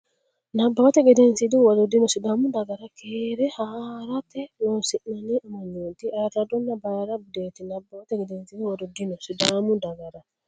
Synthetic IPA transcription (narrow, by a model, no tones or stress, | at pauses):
nabːawat̪eɡedensidiwaɾodinosidamundaɡaɾakeɾɛhaɾatɛnosinaniʔmaɲunt̪iatadonːabaːɾabudet̪inabːawat̪eɡedensidiwadodinosidamundaɡaɾa